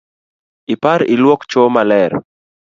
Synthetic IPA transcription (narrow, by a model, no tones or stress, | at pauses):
ipaɾilwɔkt͡ʃomalɛɾ